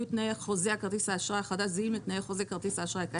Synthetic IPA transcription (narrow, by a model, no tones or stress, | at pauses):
it̪najeχozeakaʁt̪isaːʃʁaχad̪azeimet̪najeχozekaʁt̪isaːʃʁaka